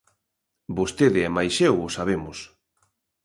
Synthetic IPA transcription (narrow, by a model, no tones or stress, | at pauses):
bost̪eðɪɛmajsʃɛwʊsaβemʊs